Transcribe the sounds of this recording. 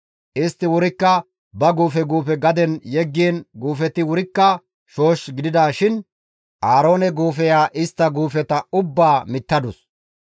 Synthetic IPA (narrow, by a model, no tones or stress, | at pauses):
ʔɪst̪ːɪwʊɾɪkːɐ | bɐɡuːfɛɡuːfɛɡɐd̪ɛnjɛɡːiːnɡuːfɛt̪ːɪwʊɾɪkːɐ | ʃo̞ːʃɡɪd̪ɪd̪aːʃɪn | ʔaːɾo̞ːnɛɡuːfɛjaːʔɪst̪ːɐɡuːfɛt̪ɐʊbːaːmɪt̪ːɐd̪ʊs